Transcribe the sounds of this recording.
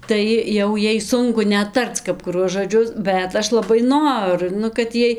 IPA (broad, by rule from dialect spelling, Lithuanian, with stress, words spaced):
ˈtɐɪ jɛʊ ˈjɛɪ ˈsʊŋkʊ ˈnʲɛt ˈtɐrt͡s kɐp kʊˈruɔs ʒoːˈd͡ʒʲʊs ˈbʲɛt ˈɐʃ lˠɐˈbɐɪ ˈnoːrʊ ˈnʊ kɐt ˈjiɛj